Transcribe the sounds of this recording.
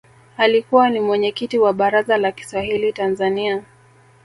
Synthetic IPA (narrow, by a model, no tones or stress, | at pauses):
alikuwanimwɛɲɛkitiwaɓaɾazalaki̥swahilitanzania